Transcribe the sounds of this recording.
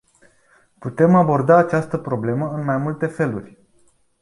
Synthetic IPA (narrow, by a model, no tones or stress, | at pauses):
put̪e̞mabo̞rd̪aːt͡ʃast̪əpɾo̞ble̞məɨnmajmult̪e̞fe̞lurʲ